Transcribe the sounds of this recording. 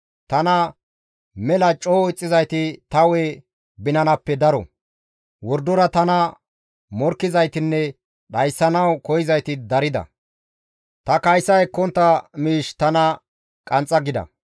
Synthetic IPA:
t̪ɐnɐ | mɛlɐt͡ʃʼoːɪt͡sʼːɪzɐjt̪ɪt̪ɐwɛ | bɪnɐnɐpːɛd̪ɐɾɔ̰ | wɔɾd̪ɔɾɐt̪ɐnɐ | mɔɾkːɪzɐjt̪ɪnːɛ | ɗɐjsːɐnɐwkɔjɪzɐjt̪ɪd̪ɐɾɪd̪ɐ̰ | t̪ɐkɐjsːɐjɛkːɔnt̪ːɐmiːʃt̪ɐnɐ | kʼɐnt͡sʼːɐɡɪd̪ɐ̰

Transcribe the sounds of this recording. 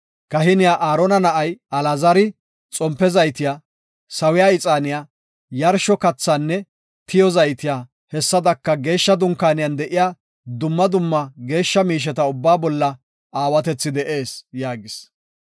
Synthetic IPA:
kɐɦɪnɪjaːʔaːɾɔnɐnɐʔɐjɐlazɐɾɪ | t͡sʼɔmpːɛzɐjt̪ɪjaː | sɐwɪjaːɪt͡sʼaːnɪjaː | jɐɾʃɔkɐt͡sːaːnːɛ | t̪ɪjɔzɐjt̪ɪjaː | hɛsːɐd̪ɐkːɐɡe̞ːʃːɐd̪ʊŋkaːnɪjand̪ɛʔɪjaː | d̪ʊmːɐd̪ʊmːɐɡe̞ːʃːɐmiːʃ̬ɛt̪ɐʊbːaːbɔlːɐ | aːwɐt̪ɛt͡sːɪd̪ɛʔe̞ːsjaːɡɪs

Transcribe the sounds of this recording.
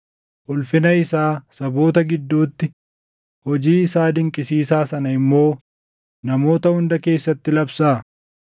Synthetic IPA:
ʔʊlfɪnɐɪsaːsɐbo̞ːt̪ɐɡɪd̪ːuːt̪ːɪ | hɔd͡ʒiːɪsaːd̪ɪŋkʼɪsiːsaːsɐnɐɪmːo̞ː | nɐmo̞ːt̪ɐhʊnd̪ɐke̞ːsːɐt̪ːɪlɐbsaː

